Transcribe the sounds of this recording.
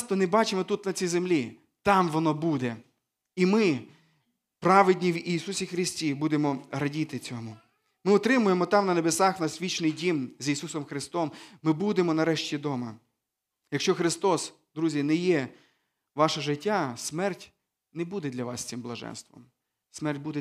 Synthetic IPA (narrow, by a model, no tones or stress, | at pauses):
st̪ɔnebɑt͡ʃɪmɔt̪ut̪nɐt͡sʲijzemlʲi | t̪ɑmʋɔnɔbud̪ɛ | imɪ | pɾɑʋɪdʲnʲiwisusʲixɾɪsʲtʲibud̪emɔɾɐdʲit̪ɪt͡sʲɔmʊ | mɪɔt̪ɾɪmʊjemɔt̪ɑmnɐnebesɑxnɐsʋʲit͡ʃnɪjdʲimzʲisusɔmxɾɪst̪ɔmːɪbud̪emɔnɐɾɛʃtʲid̪ɔmɐ | jɐkʃt͡ʃɔxɾɪst̪ɔs | d̪ɾuzʲinɛjɛ | ʋɑʃɐʒɪtʲːasmɛrtʲ | nɛbud̪ɛd̪lʲɐʋɑsʲsɪmblˠɐʒɛ̰nst̪ʋɔ̰m | smɛrt̚ʲbud̪ɛ